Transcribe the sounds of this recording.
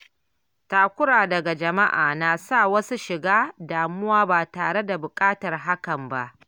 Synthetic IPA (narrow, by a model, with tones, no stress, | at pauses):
taː˨kʷʊ˦ɽaː˨dɐ˨ɡa˨d͡ʒɐ˨ma˦ʔa̰ː˨naː˨saː˦˨wɐ˦su˦ʃɪ˨ɡaː˦daː˨mʊ˦waː˦baː˨taː˨ɽe˦da˨bʊ˨kʼaː˦tɐ˨rɦa˦kɐ˨mba˦ʔ